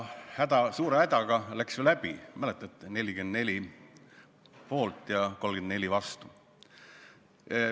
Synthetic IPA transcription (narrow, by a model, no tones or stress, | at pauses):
hæd̪̥ɑsuːɾehæd̪̥ɑɡ̥ɑlæksjelæb̥imælet̪ːˑɑt̪ːˑne̞lʲikend̪ne̞lʲi | po̞ːlt̪ːˑjɑko̞lɡend̪ne̞lʲivɑst̪u